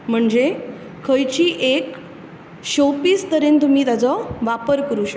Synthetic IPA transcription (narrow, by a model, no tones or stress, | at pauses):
m̤əɳd͡ze | kʰəjt͡ɕiːʔek | ɕopiːst̪əɾent̪um̤iːt̪ad͡zɔʋapəɾkəɾuːɕə